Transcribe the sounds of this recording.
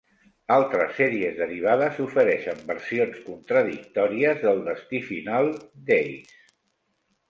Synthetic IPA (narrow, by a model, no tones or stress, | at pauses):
alˠt̪ɾəsːɛɾiəzðəɾiβ̞aðəzufəɾɛʃəmbərsionskunt̪ɾəðik̚t̪ɔɾiəzðəlˠd̪əst̪ifinalˠd̪ejs